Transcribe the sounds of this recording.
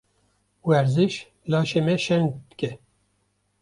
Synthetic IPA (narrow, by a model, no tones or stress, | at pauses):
wɛɾzɨʃ | lɑːʃemɛʃɛnd̪ɨ̥kɛ